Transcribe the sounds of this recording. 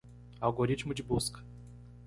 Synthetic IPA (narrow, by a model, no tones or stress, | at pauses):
awɡoɾit͡ʃmʊd͡ʒɪbuskɐ̥